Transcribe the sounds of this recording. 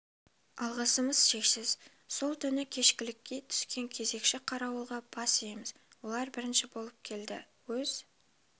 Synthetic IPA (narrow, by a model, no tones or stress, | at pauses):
ɑlˠʁəsəməz̥ʃe̞ksɪz̥ | so̞lˠt̪ʰʏnɪkʲʰe̞ʃkʲɪlɪkʲːe̞t̪ʰʏ̥skʲe̞ŋkʲʰe̞ze̞kʃɪqʰɑɾɑwəlˠʁɑb̥ɑsejməz | wo̞lˠɑɾbɪɾɪnʃɪbo̞lˠəp̚kʲʰe̞ld̪ɪ̰ | wɵz̥